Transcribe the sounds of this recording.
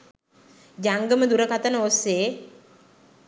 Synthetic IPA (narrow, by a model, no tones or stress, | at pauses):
d͡ʒaŋɡəməd̪uɾəkat̪ənəoseː